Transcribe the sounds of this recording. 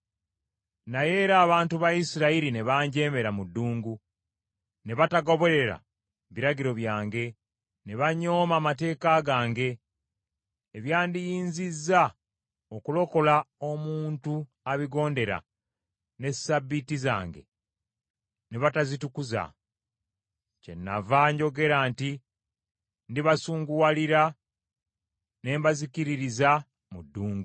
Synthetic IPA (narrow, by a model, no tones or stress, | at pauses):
naje̞ːɾaːβaːntuβaisiɾaiɾine̞βaːɲɟe̞ːme̞ɾamudːuːŋɡu | ne̞βataɡo̞βo̞ɾe̞ɾa̰ | βiɾaɟiɾo̞βjaːŋɡe̞ | ne̞βaɲo̞ːmaːmate̞ːkaɡaːŋɡe̞ | βjaːndijiːnzizːa | okulo̞ko̞lao̞muːntu | aβiɡo̞ːnde̞ɾa̰ | ne̞sabːitiza̰ːŋɡe̞̰ | neβatazitukuza̰ | ce̞̰nːa̰vaɲɟo̞ɡe̞ɾaːnti | ndiβasuːŋɡuwaliɾa | ne̞ːmbazikiɾiɾiza | mudːuːŋɡu